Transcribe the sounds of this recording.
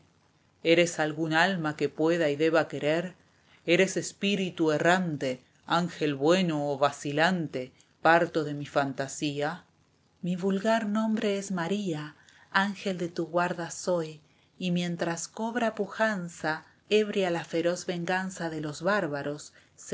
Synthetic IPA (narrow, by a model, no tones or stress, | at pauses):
eɾe̞salɣunalmakepwe̞ðaiðe̞βake̞ɾeɾ | eɾese̞spiɾit̪uerant̪e | aŋxe̞lβwe̞noːβasilant̪e | paɾt̪o̞ðe̞mifant̪asia | miβulɣaɾnõ̞mbɾeezmaɾia | aŋxeld̪e̞t̪uɣwaɾðaso̞j | imje̞nt̪ɾasko̞βɾapuxansa | eβɾjalafe̞ɾo̞zβe̞ŋɡansaðe̞lo̞zβaɾβaɾo̞s